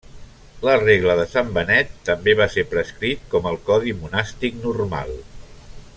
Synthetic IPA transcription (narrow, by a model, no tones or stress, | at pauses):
ləreɣləðəsambənɛt̪ːəmbeβ̞aseɾpɾəskɾit̪̚kɔməlˠkɔðimunast̪ik̚nurma̰lˠ